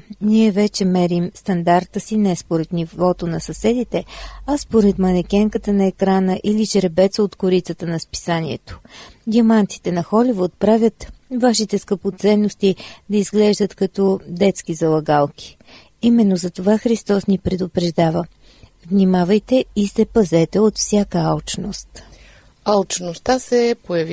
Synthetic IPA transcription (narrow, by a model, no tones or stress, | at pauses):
niɛvɛt͡ʃɛmɛɾimst̪ɐnd̪aɾt̪əsinɛspoɾɛt̪nivɔt̪onɐsɐsɛd̪it̪ɛɐspoɾɛt̪mɐnɛkʲɛŋkət̪ənɐɛkɾanəʔilit͡ʃɾɛbɛt̪səot̪kʊɾit̪sət̪ənɐspi̥sanʲiɛ̰t̪o̥ɡ̪ʲiɐmant̪si̥t̪ɛnɐxɔlivut̪̚pɾavʲət̪vaʃit̪ɛskəpot̪sɛnːost̪id̪ɐizɡlɛʒd̪ət̪kɐt̪ɔd̪ɛt̪skizɐlˠɐɡalˠk̟i̥ | imɛnːozɐt̪ovaxɾist̪ɔsnipɾɛd̪opɾɛʒd̪avə | vnimavəjt̪ɛisɛpɐzɛt̪ɛot̪fsʲjakəalt͡ʃnost̪ | alˠt͡ʃnost̪asɛpojɐvi